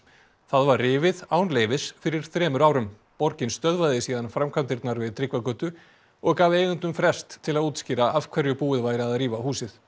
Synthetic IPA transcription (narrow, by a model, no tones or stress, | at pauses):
θaðvaɾrɪːvɪðaːwnleːjvɪsfɪɾɪɾ̥θɾɛːmʏɾaːwɾʏm | pɔɾcɪnst̪œðvaðɪsiːðanfɾamkʰvamnt̪ɪɾt̪naɾvɪðt̪ʰɾɪkvakœːt̪ʏ | ɔɣkaːveːjɣʏnt̪ʏmfɾɛ̥st̪ʰːɪlaðuːt̪scɪːɾaav̥kʰvɛɾjʏpuːɪðvaːjɾɪaðɾiːvahuːsɪθ